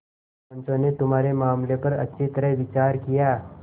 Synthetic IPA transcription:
ənsonet̪um̤aɾemamlepəɾə̰it̪əɾeʋit͡ɕaɾkija

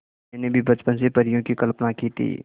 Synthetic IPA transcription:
ɛnebʱibɐt͡ʃpənsepɐɾɪjõkikɐlpnakiːt̪ʰḭː

